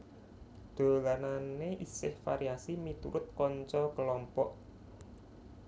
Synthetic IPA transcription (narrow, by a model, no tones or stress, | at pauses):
ɖ̪̥o̤lananeʔisɪhfa̰ɾiasimit̪ṵɾʊt̪̚kɔɲt͡ʃɔkəlɔmpɔʔ